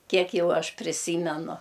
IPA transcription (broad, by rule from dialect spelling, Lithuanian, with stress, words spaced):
ˈkʲiɛk ˈjɛʊ ˈɐʃ pʲrʲɪˈsʲiːmʲɛnʊ